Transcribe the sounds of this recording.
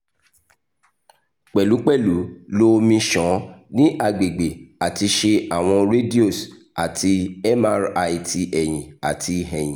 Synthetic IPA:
k͡pɛ˨lu˨˦k͡pɛ˦˨lu˨˦lo˦mĩ˧ʃɔ̃˨˦nĩ˦ʔa˨ɡ͡be˨ɡ͡be˨a˨ti˧ʃe˧a˨w̃ɔ̃˧ɾe˦di˦o˦˨s | a˨ti˧ɛ˦ma˦ɾa˧i˧tʰi˧ʔɛ˨j̃ĩ˨a˨tʰi˧ɦɛ̃˨j̃ĩ˨

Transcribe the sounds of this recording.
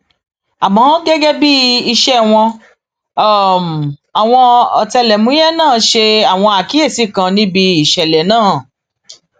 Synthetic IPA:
a˨mã˨˦ɡɛ˦ɡɛ˦bi˦i˧ʃɛ˦w̃ɔ̃˧˨ | m̩˨a˨w̃ɔ̃˧ɔ˨tɛ˧lɛ˨mũ˦jɛ˦nãː˦˨˦ʃe˧a˨w̃ɔ̃˧a˨ki˨˦e˦˨si˨˦˨kã˧nĩ˦bi˧i˨ʃɛ˨lɛ˨nãː˦˨

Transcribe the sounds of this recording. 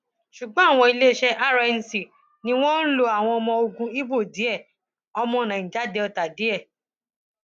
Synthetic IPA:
ʃu˨ɡ͡bɔ̃˨˦a˦˨w̃ɔ̃˧i˧le˦ʃɛ˦ʔa˦ɾa˧n̩˨si˨ | nĩ˧˦w̃ɔ̃˦n̩˦lo˧a˨w̃ɔ̃˧ɔ˧mɔ̃˧o˧ɡũ˧i˦bo˦˨di˨˦ɛ˦˨ | ɔ˧mɔ̃˧˨nã˨ĩ˨d͡ʒa˨˦dɛ˧ɔ˧ta˨di˨˦ɛ˦˨

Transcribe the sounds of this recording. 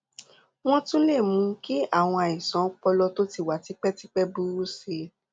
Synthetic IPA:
w̃ɔ̃˦tũ˦le˦˨mũ˨˦ki˦a˦˨w̃ɔ̃˧a˨i˨sɔ̃˨˦k͡pɔ˧lɔ˧to˦ti˦˨wa˨ti˦k͡pɛ˦ti˦k͡pɛ˦bu˦ɾu˦se˧

